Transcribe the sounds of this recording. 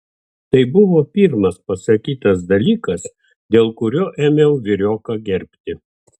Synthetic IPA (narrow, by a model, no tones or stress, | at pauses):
t̪ɐɪbʊʋoːpʲiːɾmɐspɐsɐkʲiːt̪ɐs̬d̪ɐlʲiːkɐs | d̪ʲeːlˠkʊɾʲoːʔeːmʲɛʊʋʲɪɾʲoːkɐɡʲɛɾʲpʲt̪ʲɪ